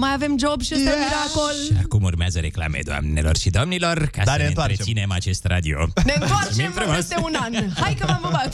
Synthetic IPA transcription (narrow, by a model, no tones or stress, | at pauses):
majave̞md͡ʒobʃiseɾaakolʃia̰kumurmeazəɾe̞kla̰mḛd̪oa̰mnelo̞rʃid̪omnilo̞rkasd̪anennaɾeesine̞mat͡ʃe̞st̪rad̪io̰nent̪oat͡ʃmefɾumost̪eunanhajkəmaməma